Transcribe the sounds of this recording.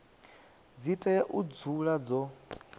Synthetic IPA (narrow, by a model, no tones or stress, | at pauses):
d͡zitʼajaʔud͡zuɺad͡zɔ